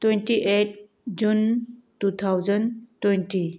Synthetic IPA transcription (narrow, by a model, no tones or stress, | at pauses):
twentiʔet̚ | d͡ʒuntut̪ʰawzəntwenti